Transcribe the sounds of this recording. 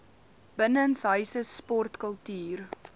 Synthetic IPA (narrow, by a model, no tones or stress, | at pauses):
b̥ənənsɦœɥsəspɔrtkəlˠtyːr